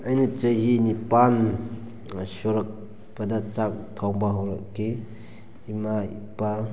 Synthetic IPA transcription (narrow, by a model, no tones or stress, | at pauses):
ajnit͡ʃəjɦinipan | sɔɾɐk̚ | pɐdat͡ʃak̚tʰɔŋbaɦawɾɐkːi | imaḭpa